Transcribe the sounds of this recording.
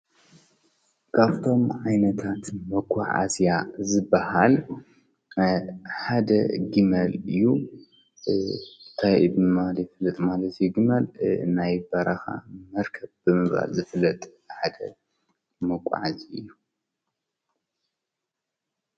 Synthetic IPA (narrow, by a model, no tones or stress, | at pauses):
kʰaβt̪ʰo̞mʕajnɐt̪ʰat̪mɐkʼːaʕa̰zjazɨbːahal | ħad̪ɐ̰ɡimɐlɨjːu | nt̪ʰajbɨmaljɪfɨlːɐt̪ʼmalɐt̪ʰjuɡimɐlnajbaɾʔaxa̰mɐɾkʰɐβbɨmɨba̰lzɨflːɐt̪ʼ | ħad̪ɐ̰ | mɐkʼːa̰ʕaziɨjːu